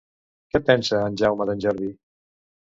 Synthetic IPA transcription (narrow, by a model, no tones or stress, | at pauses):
kɛpɛnsaːnʲʒawmaðənʲʒɛɾði